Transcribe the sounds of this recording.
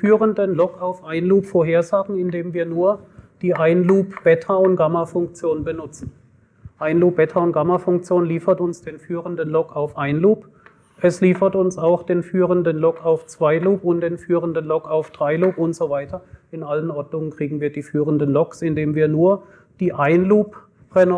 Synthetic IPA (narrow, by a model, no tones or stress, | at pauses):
fyːʁəndənlɔkaʊfʔaɪnluːpfoɐɦeːɐzaːɡŋ̩ɪndeːmviːɐnuːɐd̥iːʔaɪnluːpb̥ɛtʰɐʊntɡ̥amɐfʊŋk̚t͡sjoːnnbənʊt͡sn̩ | ʔaɪnluːp̚b̥ɛtʰɐʊntɡ̥amɐfʊŋkt͡sjoːnliːfɐtʊnsd̥eːnfyːʁəndənlɔkaʊfʔaɪnluːp | ʔɛsliːfɐtʊnsaʊxd̥eːnfyːʁəndənlɔkʰaʊft͡sv̥aɪluːpʊntd̥eːnfyːʁəndənlɔkaʊfd̥ʁaɪluːpʊntz̥ovaɪtʰɐʔɪnʔalənʔɔɐdnʊŋənkʁ̥iːɡŋ̩viːɐdiːfyːʁəndənlɔksɪndeːmviːɐnuːɐ | d̥iːʔaɪnluːp | ʁɛn